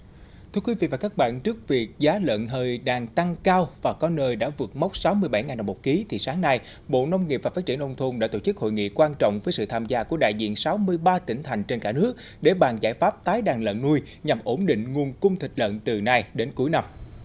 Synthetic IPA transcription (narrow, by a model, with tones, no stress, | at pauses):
t̪ʰɨ˧əkwi˨˦vḭ˧˨vaː˨˩kaː˦˥k̚ɓa̰ː˧˨nt͡ɕɨ˦˥ək̚vi˨˩ək̚zaː˨˦lə̰˧˨nɦəː˨jɗaː˨˩ŋt̪a˧ŋkaː˧wvaː˨˩kɔ˨˦nəː˧jɗa̰ː˧˥vɨ˨˩ək̚ma˦˥wk͡p̚sa˨˦wmɨ˧əjɓa˧˩jŋaː˨˩nːa˨˩mo˨˩ki˨˦t̪ʰi˨˩saː˨˦ŋna˧j | ɓo̰˧˨nə˧wŋ͡mŋi˨˩p̚vaː˨˩faː˦˥t̚t͡ɕi˧˩ənʔə˧wŋ͡mt̪ʰu˧nɗa̰ː˧˥t̪o̰˧˩t͡ɕɨ˦˥k̚ho̰˧˨jŋḭ˧˨kwaː˧nt͡ɕɔ̰˧˨wŋ͡mvəː˨˦jsɨ̰˧˨t̪ʰaː˧mzaː˧ku˧˩əɗa̰ː˧˨jzḭ˧˨ənsa˨˦wmɨ˧əjɓaː˧t̪ï˧˩ŋ̟t̪ʰa˨˩jŋ̟t͡ɕe˧nkaː˧˩nɨ˦˥ək̚ | ɗe˧˩ɓaː˨˩nzaː˧˩jfaː˦˥p̚t̪aː˨˦jɗaː˨˩ŋlə̰˧˨nːu˧j | ɲa˨˩mʔo˧˩nɗḭ̈˧˨ŋ̟ŋu˨˩ənkʊ˧ŋ͡mt̪ʰï˨˩k̟̚lə̰˧˨nt̪ɨ˨˩na˧jɗe˨˦nku˨˦jna˧m